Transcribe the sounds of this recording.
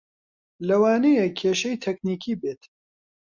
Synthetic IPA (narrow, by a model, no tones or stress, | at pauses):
lɐwaːnejɛkʰeːʃɐjt̪ʰɛkniːkʰiːbeːt̪